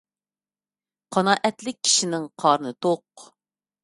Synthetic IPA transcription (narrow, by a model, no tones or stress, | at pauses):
qʰɑnɑːʔɛt̪lɪk̚ʲʰːi̥ʃinɪŋqʰɑːɾɨnɨt̪ʰoq